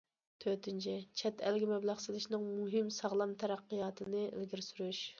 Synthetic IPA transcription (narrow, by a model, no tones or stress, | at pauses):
t̪ʰøt̪ɪnt͡ʃʰit͡ʃʰɛt̪ʰælɡʲimɛblˠɑʁsɨlɪʃnɨŋmuɦɪmsɑʁlˠɑmt̪ʰɛɾæqːijɑːt̪ʰɨnɨḛlɡʲiɾsyɾuʃ